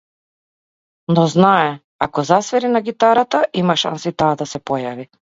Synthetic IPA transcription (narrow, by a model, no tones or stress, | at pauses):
nɔznaɛ | akɔzasvɛɾinaɡit̪aɾat̪aʔimaʃa̰nsit̪aːd̪asɛpɔjavi